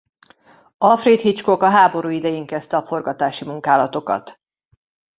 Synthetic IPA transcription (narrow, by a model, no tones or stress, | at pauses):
ɒfrit̪hit͡ʃkokɒɦaːbo̞ɾuːid̪ɛjiŋkɛst̪ɛɒfo̞rɡɒt̪aːʃimuŋkaːlɒt̪o̞kɒ̰t̪